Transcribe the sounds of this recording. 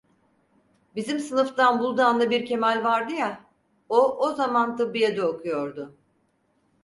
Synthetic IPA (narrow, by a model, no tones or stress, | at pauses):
bizimsɯnɯft̪anbulˠd̪aːnd̪ˠabiɾcʰe̞mælʲvaɾd̪ɯja | oʔozamant̪ʰɯbːɯjad̪ɛokʰujo̞ɾd̪ʊ